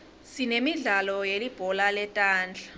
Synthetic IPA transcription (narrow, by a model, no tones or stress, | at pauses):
sinemiɮalɔjelib̥ʱɔlalɛtʼaːnd͡ɮʱḁ